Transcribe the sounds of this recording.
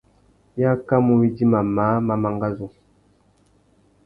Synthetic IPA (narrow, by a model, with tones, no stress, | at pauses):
ja˦ka˦mu˨wi˦di˦ma˨ma˨˦ma˨ma˨ŋɡa˦zu˨